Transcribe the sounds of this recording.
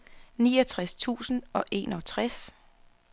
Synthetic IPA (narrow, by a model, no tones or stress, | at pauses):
niːɒt͡sʰʁast͡sʰṵːsn̩ɒ̽ʔe̝̰nɒt͡sʰʁas